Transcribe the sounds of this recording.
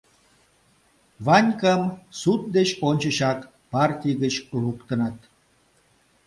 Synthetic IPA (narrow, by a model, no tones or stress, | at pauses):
vɑnʲkəmsut̪̚d̪et͡ɕonʲt͡ɕə̆ɕɑk | pɑrtʲijɣət͡ɕlukt̪ə̆nɑt̪̚